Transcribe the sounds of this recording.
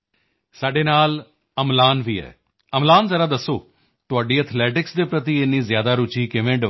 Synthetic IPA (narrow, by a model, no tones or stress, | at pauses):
saːɖeːnaːl | əmlaːnʋiːɛ̰ː | əmlaːnzəɾaːd̪əsːo̰ː | t̪ʊaːɖiːət̪ʰlɛːʈɪksd̪eːpɾət̪iːenːĩːzjaːd̪aːɾʊt͡ʃiːkɪʋẽːɖ